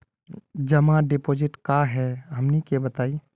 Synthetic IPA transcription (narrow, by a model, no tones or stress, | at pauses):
d͡ʒɐmãɖepoːd͡ʒɪʈkaɦɛɦɐmnikebɐt̪aːi